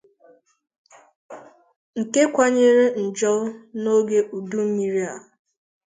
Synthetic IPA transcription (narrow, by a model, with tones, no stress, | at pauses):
ŋ̩˨ke˦kʷa˦ɲe˦ɾe˦n̩˨d͡ʒɔ˦no˦ɡe˦u˨du˦m̩˦mi˦ɾi˦a˨